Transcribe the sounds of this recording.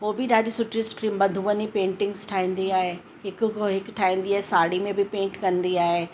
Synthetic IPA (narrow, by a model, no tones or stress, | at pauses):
ɦoːbɪɗaːd͡ʑisʊʈɪsʈibɐd̪ʱuːənipẽːɳʈɪ̃ŋɡzʈʰaːɦĩːn̆d̪iaːɦe | ɦɪkɦɪkʈʰaːĩːnd̪iaːɦesaːɽimẽbʱɪpẽːɳʈkɐ̃nd̪iaːɦeː